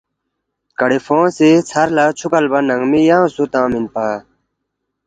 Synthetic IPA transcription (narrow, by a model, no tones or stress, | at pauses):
kɐɽifõːset͡sʰɐɾlat͡ɕʰukɐlbɐnɐŋmijãːsut̪ãːminpaː